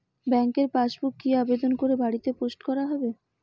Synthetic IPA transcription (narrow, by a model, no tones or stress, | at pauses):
bɛŋkeɾpaʃbukːiabed̪onkoɾebaɽit̪eposʈkɔɾaɦɔbe